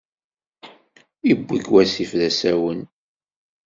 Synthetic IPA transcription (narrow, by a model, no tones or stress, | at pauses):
ibːikwæsifðæsæwən